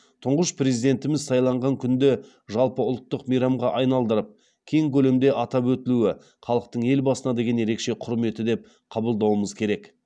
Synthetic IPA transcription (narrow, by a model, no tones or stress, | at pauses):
t̪ʰʊɴʁəʃpre̞zijd̪e̞nt̪ɪmɪzsɑjlˠɑɴʁɑŋkʲʰʏnd̪e | ʒɑlˠpəʊlˠt̪ːəqmijɾɑmʁɑʔɑjnɑlˠd̪əɾəp̚ | kʲʰe̞jɪŋkʲʰɵle̞md̪e̞ʔɑt̪ɑpwɵt̪ɪluɪ | χɑlˠəq̚t̪əɴe̞lbɑsənɑd̪e̞ɡʲe̞nje̞ɾe̞kʃe̞qʰʊɾme̞t̪ɪd̪e̞p̚ | qʰɑbəlˠd̪ɑwəməzkʲʰe̞ɾe̞k